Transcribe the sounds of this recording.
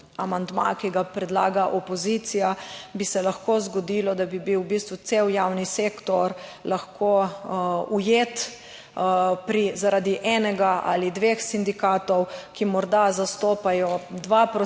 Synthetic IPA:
amand̪ma̰kiɡapɾɛd̪la̰ːɡaʔɔpɔzit̪sijabisɛlaxkoːzɡɔd̪iːlɔd̪abibiwbist̪ʋusewjawniseːkt̪ɔɾlaxkʰo | ujeːt̪ | pɾizaɾad̪iʔɛːnɛɡaʔa̰lid̪ʋexsind̪ikaːt̪ɔwkimɔɾd̪azast̪oːpajɔd̪ʋapɾɔ

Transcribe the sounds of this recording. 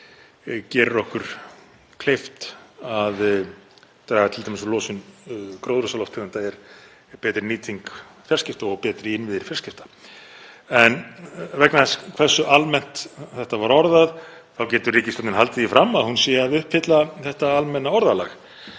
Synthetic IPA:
cɛːɾʏɾɔhkʏɾ̥ | kʰlejft̪að | t̪ɾaɣat̪ʰɪlt̪ʰaːmɪsɔlɔːsʏnkɾowðɾʏsalɔwft̪ʰɪɣant̪aɛɾ | pɛːt̪ɾɪniːt̪ʰiŋkfjar̥scɪft̪aɔɣpɛːt̪ɾɪɪnvɪðɪɾfjɛr̥scɪft̪ḁ | ɛnvɛknaθɛskʰv̥ɛr̥sʏʔalmɛn̥t̪θɛht̪avaɾɔɾðað | θawcɛːt̪ʏriːcɪsɔt̪nɪnɦalt̪ɪðifɾamaðhunsɛːaðʏhpfɪt̪laθɛht̪aalmɛnːaɔɾðalax

